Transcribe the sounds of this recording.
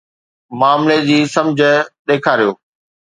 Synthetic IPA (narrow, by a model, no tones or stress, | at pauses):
maːmled͡ʑiːsɐ̃md͡ʑʱə̆ɗeːkʰaːɾijoː